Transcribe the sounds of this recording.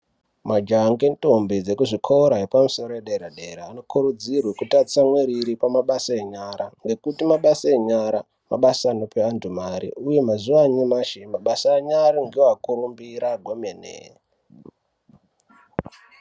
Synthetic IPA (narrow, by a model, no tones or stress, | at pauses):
mad͡ʒaŋɡento̞mbid͡ze̞kuʐikʰooɾaɦepamuso̞ɾojeɗeɾaɗe̞ɾaːno̞kuɾud͡zirwekutasamweɾiɾipamaɓasaeɲaɾaŋɡe̞kutimaɓasaeɲaɾa | ma̰ɓasaːnopeandumaɾḭuje̞mazuʋaɲimaʃemaɓasaːɲaɾaŋɡiakuɾumbiɾaɡʱwomenḛ